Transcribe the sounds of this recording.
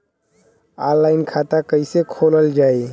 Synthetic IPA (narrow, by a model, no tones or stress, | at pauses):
alːaɪnkʰat̪akəɪsekʰoləld͡ʒaːi